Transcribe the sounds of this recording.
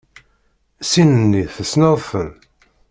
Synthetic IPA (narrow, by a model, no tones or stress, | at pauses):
sinənːiθəsnəðˤfən